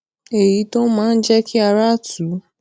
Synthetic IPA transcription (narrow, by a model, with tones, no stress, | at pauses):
e˨ji˨˦tɔ̃˦mãː˦˧n̩˦d͡ʒɛ˦kʰi˦a˧ɾa˦˨tu˨˦